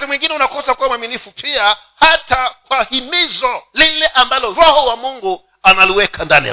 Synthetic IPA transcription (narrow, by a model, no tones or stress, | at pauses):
timwiŋɡinɛunakɔsakaamwaminifupʰia | hatakwahimizɔlilɛʔambalɔɾɔhɔwamuŋɡu | analiwɛkʰandanḭa̰